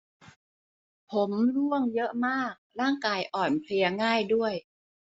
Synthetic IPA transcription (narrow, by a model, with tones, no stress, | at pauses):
pʰo˩˦mlu˥˩əŋjɤ˦˥ʔmaː˥˩k̚ɾaː˥˩ŋkaː˧jʔɔː˨˩npʰli˧ɐŋaː˥˩jdu˥˩əj